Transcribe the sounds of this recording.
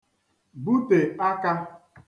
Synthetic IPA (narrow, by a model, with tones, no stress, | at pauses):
bu˦te˨a˦ka˦